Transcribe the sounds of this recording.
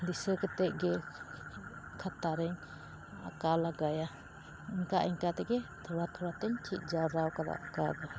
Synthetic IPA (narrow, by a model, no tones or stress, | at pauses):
d̪isəkɛt̪ɛʔ̚ɡɛ | kʰat̪aɾɛɲ | a̰kalaɡaja | iɲkaʔiɲkat̪ɛɡɛt̪ʰɔwat̪ʰɔɾat̪ɛɲtʰit̪̚ˀd͡ʒaɾawkad̪a̰ʔakad̪ɔ